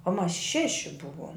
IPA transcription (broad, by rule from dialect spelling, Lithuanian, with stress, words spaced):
oː mɐs ˈʃʲæːʃʲɪ ˈbʊʋoːm